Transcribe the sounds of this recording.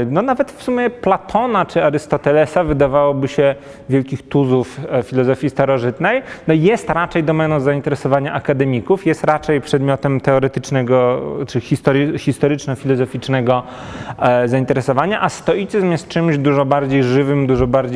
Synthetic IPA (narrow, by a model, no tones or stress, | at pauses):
nɔnavɛt̪fsumʲjɛplat̪ʰɔnat͡ʂɘaɾɘst̪ɔt̪ɛlɛsavɘd̪avawɔbɘɕɛ | vʲjɛlkʲixt̪uzuffʲilɔzɔfʲjist̪aɾɔʐɘt̪nɛjnɔjɛst̪ɾat͡ʂɛjd̪ɔmɛnɔzaint̪ɛɾɛsɔvaɲaʔakad̪ɛmʲikufjɛst̪ɾat͡ʂɛjpʂɛd̪mʲjɔt̪ɛmt̪ɛɔɾɛt̪ɘt͡ʂnɛɡɔt͡ʂɘxʲist̪ɔɾxʲist̪ɔɾɘt͡ʂnɔfʲilɔzɔfʲit͡ʂnɛɡɔ | zaint̪ɛɾɛsɔvaɲaʔast̪ɔit̪sɘzmjɛst̪̚t͡ʂɘmʑd̪uʐɔbaɾd͡ʑejʐɘvɘmd̪uʐɔbaɾd͡ʑ